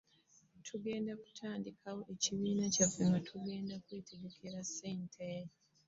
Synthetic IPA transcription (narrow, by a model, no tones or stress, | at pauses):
tʰuɡe̞ːndaku̥tʰaːndikʰawo̞ʔe̞ciβiːnacaveŋɡatʰuɡe̞ːndakweːtʰeɡe̞kʰeɾaseːntʰeɾi